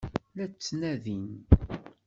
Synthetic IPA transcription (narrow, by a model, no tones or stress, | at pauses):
læt͡sːnæðin